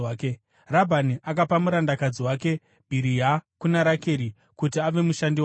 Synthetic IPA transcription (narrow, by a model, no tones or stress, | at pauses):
ke | rabʱaniʔak̬apamuɾandakad͡ziwaːke̞ | bʱiɾijakunaɾake̞ɾi | kut̬iaʋe̞muʃandi